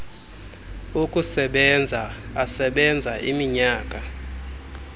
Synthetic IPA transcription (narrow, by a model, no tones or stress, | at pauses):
ukʼusɛɓɛnd͡zʱaasɛɓɛnd͡zʱaʔimiɲaːk̬ʼa